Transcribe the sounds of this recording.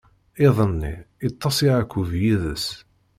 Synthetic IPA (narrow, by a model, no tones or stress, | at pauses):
eðˤənːḭit̪ˤːɑsˤiʕakʷːuvjiðə̰s